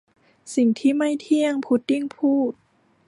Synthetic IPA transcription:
si˨˩ŋt̪ʰiː˥˩ma˥˩jt̪ʰi˧˥˩əŋpʰu˧˥t̪̚ːi˥˩˨ŋpʰuː˥˩t̪̚

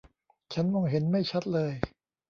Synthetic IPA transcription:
t͡ɕʰa˦˥nmɔː˧ŋɦe˩˦nma˥˩jt͡ɕʰa˦˥t̪̚lɤː˧j

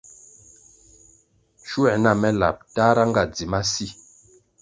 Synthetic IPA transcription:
ʃu˦ɛ˨na˦˨mɛ˦la̰˨p̚ta˦ɾa˦ŋ˦ɡa˦˨d͡zi˨ma˦si˦˨

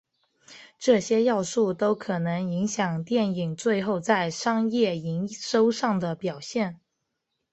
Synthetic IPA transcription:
ʈ͡ʂɤ˥˩ɕjɛ˥jɑ˥˧ʊʂu˥˩t̪o˥ʊkʰɤ˨˩nɤ˧˥ŋi˧˥ŋɕjɑ˨˩ŋt̪jɛ˥˩ni˨˩ŋt͡swe˥˧ɪxo˥˧ʊt͡sa˥˩ɪʂɑ˥ŋjɛ˥˩i˧˥ŋʂo˥ʊʂɑ˥˩ŋd̪ə˩pjɑ˨˩ʊɕjɛ˥˩n

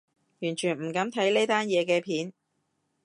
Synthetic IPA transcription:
jyː˨˩nt͡ʃʰyː˨˩nm̩˨˩kɐ˨˥mt̪ʰɐ˨˥jne˥jt̪aː˥njɛː˨˧kɛː˧pʰiː˨˥n

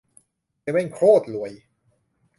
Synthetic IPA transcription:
wɛ˥˩ŋkʰɾoː˥˩t̪̚lu˨˩˦j

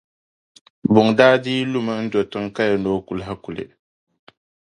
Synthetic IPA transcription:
bʊ˨ŋdaː˦diː˦lu˦ma˨n̩˦dɔ˨tɨ˦ŋ˦ka˦ja˨noː˦ku˨lɦa˦ku˨lḛ˨

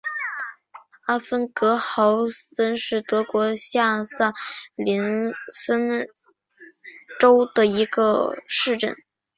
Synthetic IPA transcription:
a˥fə˥nkɤ˧˥xɑ˧˥ʊsə˥nʂɻ̩˥˩t̪ɤ˧˥kwɔ˧˥ɕja˥˧sa˥˩li˧˥nsə˥n | ʈ͡ʂo˥ʊd̪ə˨i˧˥ɡə˧ʂɻ̩˥˧ʈ͡ʂə˥˩n

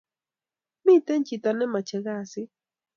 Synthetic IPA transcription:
mi˦t̪ɛ˦n˦t͡ʃi˨t̪a˨nɛ˦ma˨t͡ʃɛ˨ɣa˦˨sɪ˦

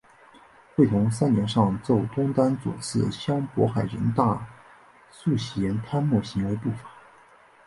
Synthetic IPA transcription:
xwe˥˩ɪt̪ʰʊ˧˥ŋs̬a˥njɛ˧˥nʂɑ˥˧ŋt͡so˥˩ʊt̪ʊ˥ŋt̪a˥nt͡swṵ˨˩sɹ̩˥˩ɕjɑ˥ŋpwɔ̰˧˥xa˨˩ɪɻə̰˧˥nt̪a˥˧ | su˥˩ɕɛ˧˥nt̪ʰa˥nmu˥˩ɕi˧˥ŋwe˧˥ɪpu˥˩fḁ˨˩˦

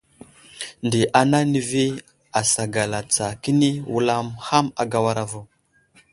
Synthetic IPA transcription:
ndi˨ʔa˨na˦ni˨vi˦ | a˨sa˨ɡa˨la˨t͡sa˨ki˦ni˦wu˦la˦mha˦ma˨ɡa˦wa˦ɾa˨vo˦˨

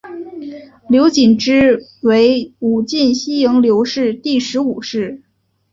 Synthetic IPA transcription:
ljo˧˥ʊt͡ɕi˨˩nʈ͡ʂɻ̩˥we˧˥ɪu˨˩t͡ɕi˥˩nɕi˥jɤ˧˥ŋljo˧˥ʊʂɻ̩˥˧t̪i˥˩ʂɻ̩˧˥u˨˩ʂɻ̩˥˩

